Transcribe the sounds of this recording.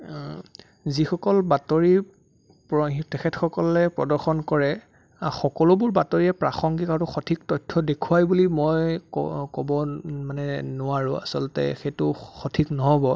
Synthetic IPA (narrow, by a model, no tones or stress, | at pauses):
zixɔkɔlbatoɹi | pɔtɛkʰɛtxɔkɔlɛpɹɔdɔɹxɔnkɔɹɛ | axɔkɔlʊbʊɹbatoɹiɛpɹaxɔŋɡikaɹʊxɔtʰik̚tɔjtʰːɔdekʰuwajbulimɔjkkɔbɔmanɛnʊwaɹʊ̃a̰sɔltɛ̰xetʊxɔtʰiknɔɦɔbɔ